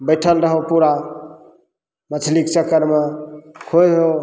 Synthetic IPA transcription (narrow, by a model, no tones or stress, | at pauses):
bəjʈʰəlɾəɦopuɾa | mət͡ʃʰlik̚t͡ʃəkəɾmakʰojɾɦo